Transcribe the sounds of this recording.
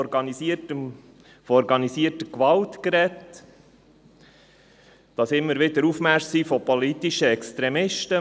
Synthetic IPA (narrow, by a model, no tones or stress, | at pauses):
ɾɡɑisiəm | fɔɾɡɑnisiːətəkʋɑltkɾɛt | d̥ɑsɪmːəɾʋɪdəɾufmæɾssiːfɔpɔlit̪iʃəɛkst̪ɾɛmɪʃtə